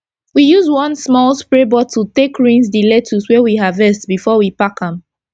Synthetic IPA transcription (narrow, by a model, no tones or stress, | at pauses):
wijuzwʌ̃nsmɔlˠspɹebɔtʰutekɹĩnzdilɛtʰuswɛwiɦavɛstbifɔwipakãm